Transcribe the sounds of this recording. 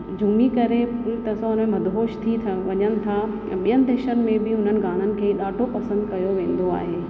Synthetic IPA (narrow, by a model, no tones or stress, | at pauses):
d͡ʑʱumikɐɾeʊt̪ɐsãɦʊnmẽmɐd̪ɦoːʃt̪ʰit̪ʰʋɐɲənɪ̆t̪ʰã | ɓijənɪ̆d̪eːʃənɪ̆mẽbɪɦʊn̤ənɪ̆ɡaːɽ̤̃ənɪ̆kʰeːɗaːʈʰopɐsə̃nd̪kɐjoʋẽːn̆d̪oa̰ːɦeː